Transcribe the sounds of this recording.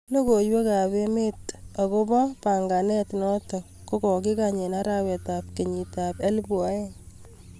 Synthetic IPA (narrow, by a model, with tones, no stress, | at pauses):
no˦ko˨jwe˦ka˨be˦me˦ta˨ko˦bɔ˦pa˨ŋɡa˨nɛ˦tnɔ˦tɔ˨ | ko˦kɔ˨k̬i˦kaɲe˨na˦ɾa˦wɛ˨ta˨p̚ke˨ɲi˨ta˨pe˦lbu˨a˨˦e˦